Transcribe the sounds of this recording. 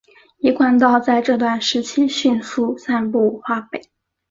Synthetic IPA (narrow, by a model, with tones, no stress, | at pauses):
i˧˥kwa˥˩nt̪̬ɑ˥˧ʊt͡sa˥˧ɪʈ͡ʂɤ˥˧t̪̬wa˥˩nʂɻ̩˧˥t͡ɕʰi˥ɕy˥˧nsu˥˧sa˥˧npu˥˩xwa˥pe˨˩˦ɪ